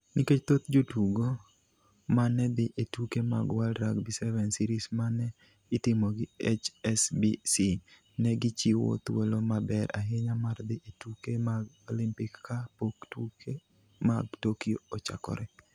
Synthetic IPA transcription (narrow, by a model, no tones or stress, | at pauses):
niket͡ʃt̪ot̪d͡ʒotuɡo | manɛd̪ɪʔetukema̰ɡwalɾaɡbisɛvɛnsiɾismanɛ | ɪtɪmoɡɪet͡ʃɛsbisi | nɛɡɪt͡ʃiwo̰t̪welomabɛɾa̰ɦeɲamard̪ɪʔetukemaɡ | olimpɪkkapoktuke | maɡ̚tokio̰ot͡ʃa̰kɔ̰ɾɛ